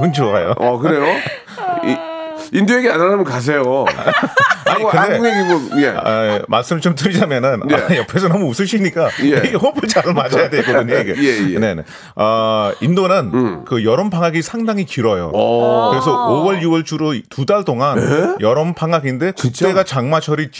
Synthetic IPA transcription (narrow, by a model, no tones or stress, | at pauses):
ɯnd͡ʑua̰jo̰ʌkɯɾe̞jo | indoeɡeananamʌnkas̬ʰejo | aɡokɯnde̞ŋeɡiɡojeamaɭs͈ɯmɯɭt͡ɕomt̬ɯɾid͡ʑamjʌnɯnajʌpʰe̞sʰʌnʌmɯusʰɯɕʰiɲik͈ajeiɡehobɯɭt͡ɕaɭmad͡ʑajadekodɯɲoejene̞ne | ʌindonɯnkɯjʌɾʌmpʰaŋɦaɡisʰaŋdaŋikiɾʌjo̰ɯɾes̬ʰʌowʌɭjuwʌɭt͡ɕʰuɾotudaɭt͈oŋanejʌɾʌmpʰaŋaɡinde̞kɯkt͈e̞ɡat͡ɕaŋmat͡ɕʰʌɾit͡ɕ